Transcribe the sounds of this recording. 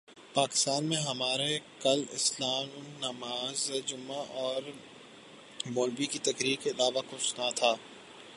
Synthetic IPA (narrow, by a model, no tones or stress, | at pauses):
paːkɪ̥st̪aːnmẽɦɐmaːɾekɐlɪ̰slaːmʊnnɐmaːzd͡ʒʊmːaʔɔːɾ | boːlbikit̪ɐkɾiːɾkeɪlaːʋakʊt͡ʃʰnat̪ʰaː